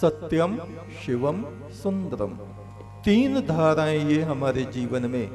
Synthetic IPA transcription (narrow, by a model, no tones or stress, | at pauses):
sɐt̪jɐm | ʃiʋɐm | sund̪ɐɾɐ̰m | t̪iːnɐd̪ʱaːɾaːjeːɦɐmɐɾed͡ʒiːʋɐnɐmeː